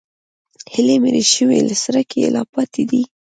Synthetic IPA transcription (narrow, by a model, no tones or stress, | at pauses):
hɪlemeɾeʃəwelasaɾakʰelɑ̰pɑt̪ʰed̪i